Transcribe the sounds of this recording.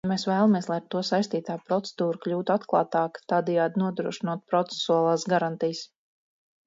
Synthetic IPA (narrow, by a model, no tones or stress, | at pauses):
meːsvæːlˠamiɛslˠajɾt̪uɔsajst̪iːt̪aːpɾɔt̪sɛd̪uːɾukʎʲuːt̪uat̪klˠɑːt̪ɑːkt̪aːd̪ɛjaːd̪nuɔd̪ɾuɔʃinuɔt̪̚pɾɔt̪sɛ̥suaːlˠaːsɡaɾant̪ijs